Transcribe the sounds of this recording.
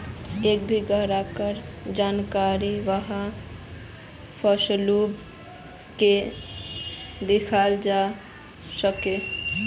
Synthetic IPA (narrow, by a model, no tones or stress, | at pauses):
ek̚bʱiɡəɦɾakəɾd͡ʒankaɾiʋəɦa | pʰəslub | ke | d̪ekʰald͡ʒa | səke